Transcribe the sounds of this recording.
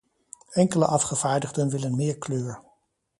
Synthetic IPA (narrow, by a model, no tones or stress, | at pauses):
ɛŋkələʔɑfχəv̥aːɹdəχdənʋɪlənmɪːɹkløːɹ